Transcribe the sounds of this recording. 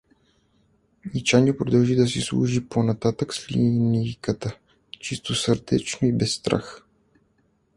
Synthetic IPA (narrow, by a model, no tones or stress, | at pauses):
nit͡ʃanʲiəpɾod̪ɐlˠʒid̪ɐs̬islˠṵʒiponɐt̪at̪əkslʲinikət̪ə | t͡ʃist̪osəɾd̪ɛ̰t͡ʃnoibɛsːt̪ɾa̰x